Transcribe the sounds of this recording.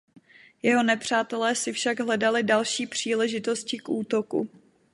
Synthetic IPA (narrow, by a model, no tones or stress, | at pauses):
jɛɦo̞nɛpr̝̥aːt̪ɛlɛːsɪfʃaɡɦlɛdalɪdalʃiːpr̝̥iːlɛʒɪt̪o̞scɪkʔuːt̪o̞kṵ